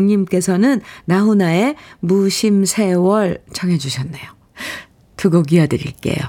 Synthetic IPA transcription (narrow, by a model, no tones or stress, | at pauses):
ŋɲimk͈e̞sʰʌnɯnnaɦunae̞muɕʰimsʰe̞wʌɭt͡ɕʰʌŋɦe̞d͡ʑuɕʰʌnːejo | tuɡʌɡiadɯɾḭɭk͈e̞̰jo̰